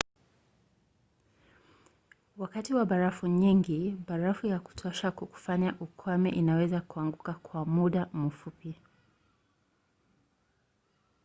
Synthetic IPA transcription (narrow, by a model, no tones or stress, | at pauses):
wakatiwaɓaɾafuɲiŋɡiɓaɾafujaku̥tʰɔʃakuku̥faɲaʔukʰwamɛ̰ʔinawɛzakuaŋɡukakʰwamuɗamufupi